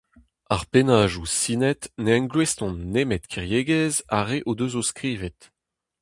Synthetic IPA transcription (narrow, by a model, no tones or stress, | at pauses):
aʁpenaːʒusiːnɛt̪neɛ̃nɡlwest̪ɔ̃nːemɛt̪kʰiʁjeːɡɛza̰ʁeʔod̪øzoskʁiːvɛt̪